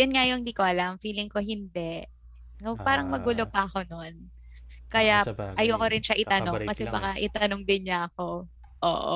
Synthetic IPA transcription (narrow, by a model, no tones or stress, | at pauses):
jʊnŋajoŋd̪iːkoʔɐlɐmfiːlɪŋko̞ɦɪnd̪ɛ | opaːɾɐŋmɐɡulopɐɐko̞non | kɐjaʔɐjokoɾɪnʃaʔɪt̪ɐno̞ŋkɐsɛbɐkaʔɪt̪ɐnoŋd̪ɪnɲaɐko̞ | ʔo̰ːʔo̰